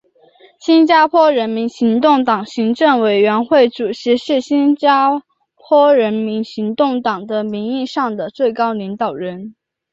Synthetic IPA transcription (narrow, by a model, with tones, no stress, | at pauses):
ɕi˥nt͡ɕja˥pʰwɔ˥ɻə˧˥nmi˧˥nɕi˧˥ŋt̪ʊ˥˩ŋt̪ɑ˨˩ŋɕi˧˥ŋʈ͡ʂɤ˥˩ŋwe˨˩ɪɥɛ˧˥nxwe˥˩ɪʈ͡ʂu˨˩ʈ͡ʂʰɻ̩˧˥ʂɻ̩˥˩ɕi˥nt͡ɕa˥ | pʰwɔ˥ɻə˧˥nmi˧˥nɕi˧˥ŋt̪ʊ˥˩ŋt̪ɑ˨˩ŋd̪ə˦mi˧˥ni˥˧ʂɑ˥˩ŋd̪ə˩t͡swe˥˩ɪkɑ˥ʊli˧˥ŋt̪ɑ˨˩ʊɻə˧˥n